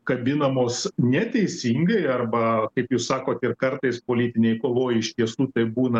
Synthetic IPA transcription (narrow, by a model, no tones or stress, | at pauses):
kɐbʲɪnɐmoːsnʲɛt̪ʲɛɪsʲiːŋɡɐɪɐrbɐkɐɪpjuːssɑːkoːt̪ɪrkɐrt̪ɐɪspoːlʲiːt̪ʲɪnʲɛɪkoːʋoːjɪʃt̪ʲiɛsuːt̪ɐɪbuːnɐ